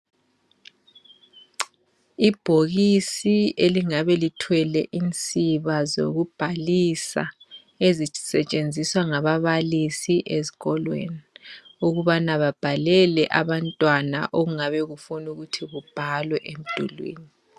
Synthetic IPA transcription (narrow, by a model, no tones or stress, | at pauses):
ib̥ʱoɣisieliŋaβɛlitʰwɛlɛʔint͡sʼiβazo̰ɣub̥ʱalisa̰ | ezisɛt͡ʃʼend͡zʱiswaŋaβaβalisiʔezi̥ɣɔlwḛniuɣuβanaβab̥ʱalɛlɛʔaβantʼwana̰ʔoɣuŋaβɛɣufunuɣutʰiɣub̥ʱalwɛʔem̩d̥ʱṵlwḛːni